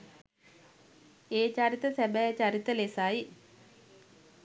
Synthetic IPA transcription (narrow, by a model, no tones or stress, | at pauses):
eːt͡ɕaɾit̪əsæbɛjət͡ɕaɾit̪əlesai